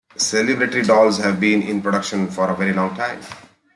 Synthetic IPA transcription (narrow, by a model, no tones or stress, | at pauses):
selɪbɾeʈəɾiɖɔːlzhæʋbĩːnɪ̰̃npɾoɖʌkʃə̃nfɔːɾəʋeɾilɔ̃ːŋɡʈãɪ̃m